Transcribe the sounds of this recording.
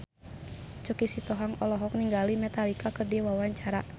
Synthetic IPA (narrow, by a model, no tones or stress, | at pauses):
t͡ʃukisit̪ɔɦaŋɔlɔɦɔk̚niŋɡalimɛt̪alikakərdɛwawaɲt͡ʃaɾa